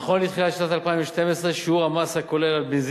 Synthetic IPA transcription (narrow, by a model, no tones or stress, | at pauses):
χonlit̪χilatʃnat̪alpaĩmveʃt̪e̞mesʁeʃeuʁamasako̞lelalbiz